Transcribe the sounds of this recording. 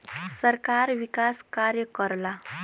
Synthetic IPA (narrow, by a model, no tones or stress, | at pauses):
səɾkaɾʋikaskaɾjəkəɾla